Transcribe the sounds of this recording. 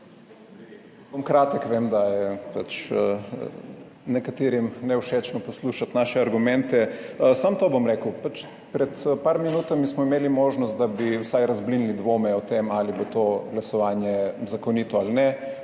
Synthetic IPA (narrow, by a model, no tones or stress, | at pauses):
bomkɾaːt̪əkʋemd̪ajɛpat͡ʃ | nɛkat̪eːɾimnɛuʃet͡ʃnɔpɔsluːʃat̪naʃɛaɾɡumɛnt̪ɛsamt̪oːbomɾeːkəwpat͡ʃ | pɾɛt̪paɾminuːt̪amismɔimeːlimoːʒnɔst̪̚d̪abiwsajɾazblinlid̪ʋoːmɛɔt̪emalibot̪oɡlasɔʋaːnjɛzakɔnit̪ɔalnɛ